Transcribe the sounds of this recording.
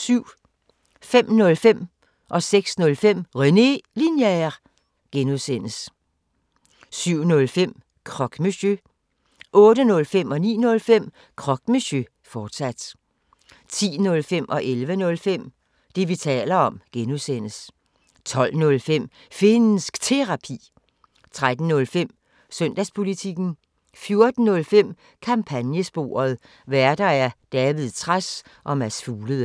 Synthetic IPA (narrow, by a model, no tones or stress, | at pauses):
syʊ̰ | fem̰nɔ̽lfem̰ | ʔɒ̽seɡ̥snɔ̽lfem̰ʁɛne̝linjɛʁ | ɡ̥enuðˠsen̰əs | syʊ̰nɔ̽lfem̰ | kʰʁɒ̽ɡ̥mesø | ʔɔ̽ːɾənɔ̽lfem̰ɒ̽nḭːnɔ̽lfem̰ | kʰʁɒ̽ɡ̥mesø | fɒːd̥sæd̥ | t͡sʰḭːnɔ̽lfem̰ʔɒ̽ʔelʋənɔ̽lfem̰ | d̥e̝ʋit͡sʰɛ̰ːlɐɒ̽mɡ̥enusen̰əs | t͡sʰɒ̽l̰nɔ̽lfem̰ | fe̝nsɡ̥t͡sʰe̝ʁɑ̈pʰḭː | t͡sʰʁad̥n̩nɔ̽lfem̰ | sœn̰d̥æspʰo̝lit͡sʰiɡ̥n̩ | fjo̝ɐd̥n̩nɔ̽lfem̰ | kʰɑ̈mpʰænjəsb̥o̝̰ːɐð̞ˠ | ʋæɐd̥ɐæɐd̥ɛːʋið̩ˠt͡sʰʁas | ʔɒ̽mæsfuːləðˠə